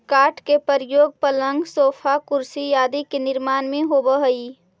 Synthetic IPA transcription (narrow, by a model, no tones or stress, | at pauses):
kaːʈkepəɾjoːɡ̚pələ̃ŋɡsoːpʰakʊɾsijaːd̪ikenɪɾmaːnmẽɦobəɦəi